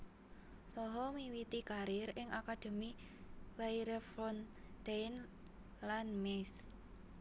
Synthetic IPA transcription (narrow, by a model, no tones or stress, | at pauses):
sɔɦɔmiwit̪ikaɾɪɾɪŋʔakad̪̥e̤mi | keiɾefɾɔn | d̪̥ejn | lanmɛs